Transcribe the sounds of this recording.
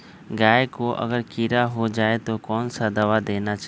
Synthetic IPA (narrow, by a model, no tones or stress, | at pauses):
ɡaːekoʔɐ̰ɡəɾkiːɾaɦod͡ʒaːet̪okɔːnsad̪ɐʋad̪eːnat͡ʃa